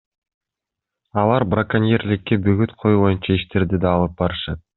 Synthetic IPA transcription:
ɑlˠɑɾbrakanijeɾlɪkːebyɡyt̪qʰo̞juβo̞junt͡ʃɑiʃt̪eɾd̪id̪ɑːlˠɯp̚bɑɾɯʃɑt̪̚

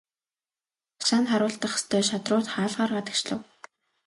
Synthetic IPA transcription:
ḁʃaːnχaɾʊːɬt̪ə̆χst̪ʰœːʃat̪rʊːt̪χaːɮʁaːrɢat̪ə̆kt͡ɕɮə̆w

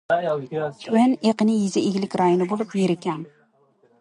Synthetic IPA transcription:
tʰaneqɨnɪjɪzɪʔeɡʲlɪkʲɾajonɪbolˠɪpjeɾɪkʲan

